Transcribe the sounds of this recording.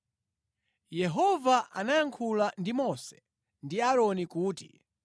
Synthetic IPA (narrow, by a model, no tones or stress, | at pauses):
jɛɦɔvaʔanajaŋkʰulandimɔsɛ̥ | ndiaɾɔnikuːtḭ